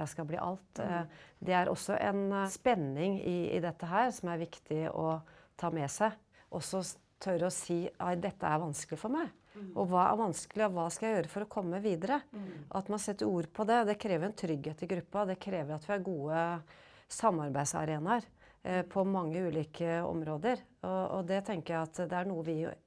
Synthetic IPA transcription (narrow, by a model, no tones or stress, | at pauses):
jæɪskɑlblḭːʔɑ̰lt̪d̪ɛæɾʔɔ̰sːɔʔɛ̰nspɛnːɪŋɪɪ̰d̪ɛt̪ːəɦæːɾsɔmæɾʋɪkt̪ʰɪɔ̰t̪ʰɑːmɛsæɪ | ʔɔsːɔ | t̪ʰœɾəɔsiːæd̪ɛt̪ːəæɾʋɑnskəlɪfɔɾmæɪ | ʔɔʋɑːæ̰ɾʋɑnskəlɪɔʋɑːskɑjæɪjøːɾəfɔɾɔkʰɔmːəʋiːd̪əɾəʔɔɑt̪mɑnɑsɛt̪ːəɾuːɾpʰɔd̪ɛd̪ɛkʰɾeːʋəɾɛnt̪ʰɾʏɡheːt̪ɪɡɾʉpːɑd̪ɛkʰɾeːʋəɾɑt̪ʋɪæɾɡuːə | sɑmːɑɾbæɪsɑ̰ɾeːnɑɾ | pʰɔmɑŋːəʉːliːkʰəɔ̰mɾoːd̪əɾ | ɔɔ̰d̪ɛt̪ʰɛŋkəɾjæɪɑt̪d̪ɛæɳuːəʋɪ̰